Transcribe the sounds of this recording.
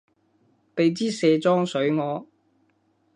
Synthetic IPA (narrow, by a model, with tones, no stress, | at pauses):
pe˨˧jt͡siː˥sɛː˧t͡sɔː˥ŋsɵ˨˥ɥŋɔː˨˧